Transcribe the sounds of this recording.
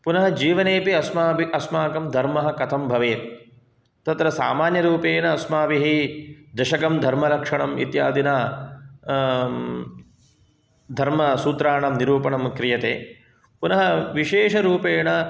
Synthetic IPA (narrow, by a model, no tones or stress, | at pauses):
punɐɦɐd͡ʒiːʋɐneːpiɐsmaːbiʔɐsmaːkɐmd̪ʱɐɾmɐɦɐkɐt̪ʰɐmbʱɐʋeːt̪ | t̪ɐt̪ɾɐsa̰ːmaːnjɐɾuːpeːɳɐːsmaːbiɦid̪ɐʃɐkɐmd̪ʱɐɾmɐlɐkʂɐɳɐmḭt̪jaːd̪ina | d̪ʱɐɾmɐsuːt̪ɾaːɳɐmniɾuːpɐɳɐmkɾijɐt̪ḛː | punɐɦɐʋiʃeːʂɐɾuːpeːɳɐ